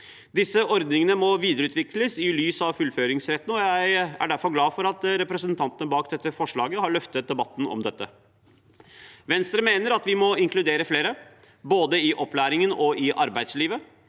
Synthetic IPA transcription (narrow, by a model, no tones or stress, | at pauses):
d̪ɪsːəʔɔɾd̪nɪŋənəmɔʋiːd̪əɾəʉːt̪ʰʋɪkləsɪlyːsɑʋfʉlføːɾɪŋsɾɛt̪ːn̩ɔjæɪæ̰ɖæɾfɔɾɡlɑːfɔɾɑt̪ɾɛpɾəsənt̪ʰɑnt̪ənəbɑːkd̪ɛt̪ːəfɔʂɭɑːɡəhɑɭœft̪ət̪̚d̪ɛbɑt̪ːn̩ɔ̰md̪ɛt̪ːə̰ | ʋɛnst̪ɾəmeːnəɾɑt̪ʋɪmɔɪŋklʉd̪eːɾəfleːɾə | boːd̪əɪʔɔplæːɾɪŋənɔɪʔɑɾbæɪd̪sliːʋə